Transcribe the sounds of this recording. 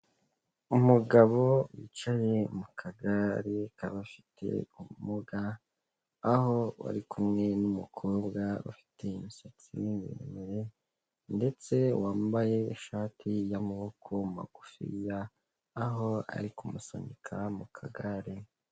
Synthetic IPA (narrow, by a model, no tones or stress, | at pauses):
umuɡaβo̞wiːt͡ʃaje̞mukʰaɡaɾekaβafi̥tʰe̞̰umumuɡaː | ho̞wa̰ɾikʰumŋe̞numukʰoːbɡaṵfi̥tʰe̞imisat͡simḭḛmeɾe̞ | nde̞t͡se̞waːmbaje̞ːʃaːtijamaβo̞kʰo̞ma̰ɡ̥ufḭjaː | ɦo̞a̰ɾikumuso̰ɲikʰamukʰaɡaɾi